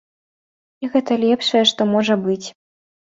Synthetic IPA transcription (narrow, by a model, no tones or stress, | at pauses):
iɣɛt̪ɐlʲɛpʂɐjɛʂt̪ɔmɔʐɐbɨt͡sʲ